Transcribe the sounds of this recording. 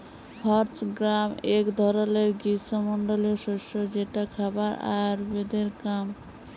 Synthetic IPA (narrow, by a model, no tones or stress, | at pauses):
hɔɾtɡɾamekd̪ʱɔɾoleɾɡisomɔɳɖoloʃoʃod͡ʑeʈakʰabaɾa̰aɾbed̪eɾkam